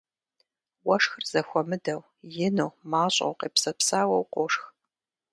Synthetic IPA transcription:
wɐʂxɨrz̥ɐxʷɔmɨdɐw | jɪnuwmaːɕʼɐ̰wqeːpsɐpsaːwɐwqʷoʂx

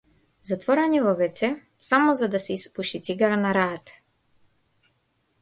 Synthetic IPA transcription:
zat̪vɔɾaɲivɔvɛt̪sɛ | samɔzad̪asɛispuʃit̪siɡaɾanaɾat̪

